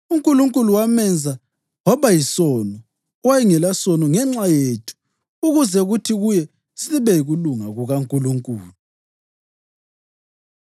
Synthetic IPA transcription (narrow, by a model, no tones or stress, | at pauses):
uŋkʼuluŋkʼuluwamɛnd͡zʱa | ŋɔβajisɔnɔ | wajiŋɛlasɔnɔŋɛŋ͡ǁajetʰu̥ | uɣuzɛɣutʰiɣujɛ | siβɛjiɣuluŋaɣuɣaŋkʼuluŋkʼuːlu